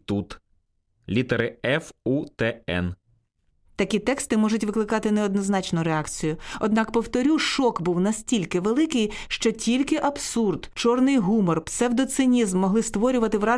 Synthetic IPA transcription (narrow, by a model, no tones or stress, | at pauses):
t̪ut̪ | lʲit̪eɾɪɛfut̪ɛɛ̰n | t̪ɐkʲit̪ɛkst̪ɪmɔʒʊtʲʋɪklˠɪkɑt̪ɪneɔd̪nɔznɑt͡ʃnʊɾeɑkt͡sʲijʊɔd̪nɑkpɔwt̪ɔɾʲuʃɔkbuwnɐsʲtʲilʲkɪʋelˠɪkɪjʃt͡ʃɔtʲilʲkɪʔɐbsurd̪t͡ʃɔrnɪjɦumɔrp̪sɛwd̪ɔt̪sɪnʲizmːɔɦlˠɪst̪ʋɔɾʲʊʋɐt̪ɪwɾɑ